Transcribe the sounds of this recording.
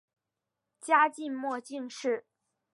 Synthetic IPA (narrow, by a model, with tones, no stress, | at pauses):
t͡ɕja˥t͡ɕi˥˧nmwɔ˥˧t͡ɕi˥˧ŋʂɻ̩˥˩